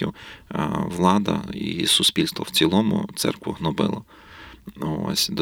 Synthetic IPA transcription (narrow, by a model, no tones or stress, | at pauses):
iw | ʋlˠɑd̪ɐ̰isʊspʲilʲst̪ʋɔwt͡sʲilˠɔmʊ̰t̪sɛ̰rkʋʊɦnɔbɪlˠɐ | o̰sʲd̪ɔ